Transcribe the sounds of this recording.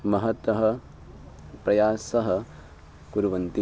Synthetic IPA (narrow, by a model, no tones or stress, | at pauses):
mɐɦɐt̪ʋɐɦɐ | pɾɐjaːsɐɦɐ | kuɾuʋɐnt̪i